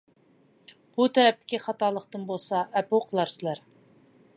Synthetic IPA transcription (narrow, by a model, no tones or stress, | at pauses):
b̥ut̪ʰɛɾɛp̚t̪ʰɪ̥kʲiχɑt̪ɑlˠəqt̪ɨnbolˠsɑʔɛpowqʰəlˠɑɾsɪlæɾ